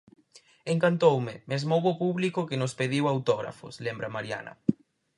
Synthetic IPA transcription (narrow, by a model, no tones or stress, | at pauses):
eŋkant̪owmɪmezmowopuβlikʊkenʊspeð̞iwawt̪ɔɣɾa̰fʊ̰slembɾamaɾja̰nɐ̰